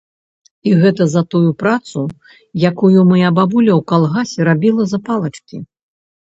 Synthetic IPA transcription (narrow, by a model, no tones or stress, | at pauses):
iɣɛt̪ɐzɐt̪ujupɾat̪su | jakujumɨjababulʲɐwkalˠɣasʲɛɾabʲilˠɐzɐpalˠɐt͡ʂkʲḭ